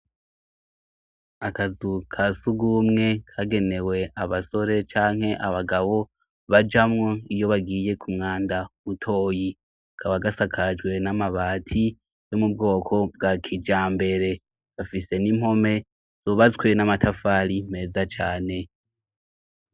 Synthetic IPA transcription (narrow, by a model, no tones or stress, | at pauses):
akazukʰasuɡumŋe̞kʰaɡe̞ne̞we̞aβaso̞ɾe̞t͡ʃaːŋ̥he̞ʔaβaɡaβo̞ | βad͡ʒamŋoijo̞βaɡiːje̞kʰumŋaːndaβutʰo̞ːji | kʰaβaɡasakʰad͡ʒɡwe̞namaβaːtʰi | jomub̚ɡo̞ːkʰo̞b̚ɡakʰid͡ʒaːmbe̞ɾe̞ | βafise̞nim̥ho̞me̞ | z̥oβat͡skwenamatʰafaːɾim̥e̞ːzat͡ʃaːne̞